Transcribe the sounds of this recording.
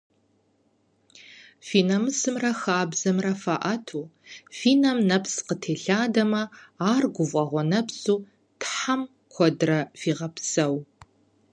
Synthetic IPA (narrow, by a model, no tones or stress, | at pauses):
fiːnɐmɨsɨmrɐxaːbzɐmrɐfaʔɐtʰuːfiːnɐmnɐpsqətʰeːɬaːdɐmɐaːrɡʷʊvʷʼɐʁʷɔnɐpsuː | tħam | kʷʰɔdrɐfiːʁɐpsɐw